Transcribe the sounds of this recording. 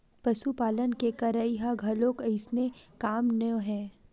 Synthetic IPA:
pɐʃupaːlənkekɐɾəiɦaɡʱɐlõkəɪsnekaːmnəoɦɛ̃ː

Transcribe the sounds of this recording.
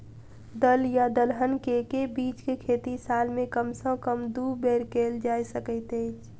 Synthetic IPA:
d̪əljad̪əlɦənkekebiːt͡ʃkekʰet̪isaːlmẽkəmsə̃kəmd̪ubeɾkeld͡ʒaːjsəkəɪt̪ejt͡ʃʰ

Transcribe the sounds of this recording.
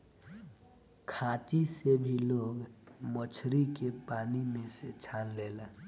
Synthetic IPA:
kʰãːt͡ʃisebʱiloːɡmət͡ʃʰɾikepaːnimẽset͡ʃʰaːnleːla

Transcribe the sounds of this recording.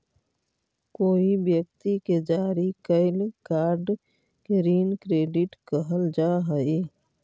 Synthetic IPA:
koːibjək̚t̪iked͡ʒaːɾikəɪlkaːɾɖ | keɾiːnkɾeːɖɪʈkəɦəld͡ʒaːɦəi

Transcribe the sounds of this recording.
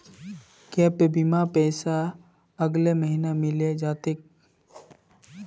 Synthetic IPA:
kɛːpebimapɛːsa | əɡleməɦinamɪled͡ʒaːt̪ek̚

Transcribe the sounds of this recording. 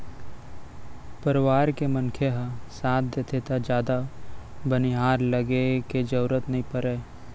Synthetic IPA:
pəɾɪʋaːɾkemənkʰeɦasaːt̪̚ʰd̪eːt̪ʰet̪ʰad͡ʒjaːd̪abəniɦaːɾləɡeked͡ʒəuɾət̪nɐɦĩpəɾeː

